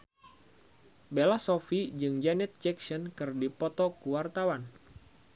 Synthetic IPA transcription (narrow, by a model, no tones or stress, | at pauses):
belasofid͡ʒɨŋd͡ʒanɛt̪̚t͡ʃɛksɔnkɨrdipɔt̪ɔkuwart̪awan